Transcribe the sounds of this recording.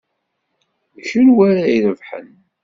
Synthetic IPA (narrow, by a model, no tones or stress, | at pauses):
çənwaɾajiðəvħə̰n